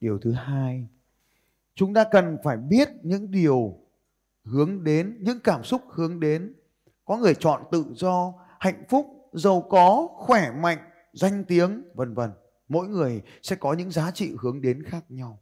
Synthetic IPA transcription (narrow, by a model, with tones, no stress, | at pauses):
ɗi˨˩əwt̪ʰɨ˨˦haː˧j | t͡ɕʊ˨˦ŋ͡mt̪aː˧kə˨˩nfaː˧˩jɓi˦˥ət̚ɲɨ̰˧˥ŋɗi˨˩əw | hɨ˨˦əŋɗe˨˦nɲɨ̰˧˥ŋkaː˧˩msʊ˦˥k͡p̚hɨ˨˦əŋɗe˨˦n | kɔ˨˦ŋɨ˨˩əjt͡ɕɔ̰˧˨nt̪ɨ̰˧˨zɔ˧ | ha̰˧˨jŋ̟fʊ˦˥k͡p̚ | zə˨˩wkɔ˨˦xwɛ˧˩ma̰˧˨jŋ̟ | za˧jŋ̟t̪i˨˦əŋvə˨˩nvə˨˩n | mo̰˧˥jŋɨ˨˩əj | sɛ̰˧˥kɔ˨˦ɲɨ̰˧˥ŋzaː˨˦t͡ɕḭ˧˨hɨ˨˦əŋɗe˨˦nxaː˦˥k̚ɲa˧w